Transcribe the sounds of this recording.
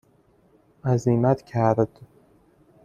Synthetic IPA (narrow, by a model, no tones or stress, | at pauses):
æziːmæt̪cʰæɾd̪̥